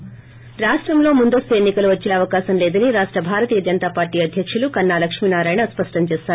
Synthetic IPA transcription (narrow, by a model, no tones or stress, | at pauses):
ɾaːʂʈɾɐmlo̞ːmund̪ɐst̪uenːikɐluʋɐt͡ʃːeːɐʋɐkaːsɐmleːd̪ɐniɾaːʂʈɾɐbʱaːɾɐt̪iːjɐd͡ʒɐnt̪aːpaːɾʈiːjɐd̪ʱjɐkʂulukɐnːaːlɐkʂminaːɾaːjnɐspɐʂʈɐmt͡ʃeːsaːɾu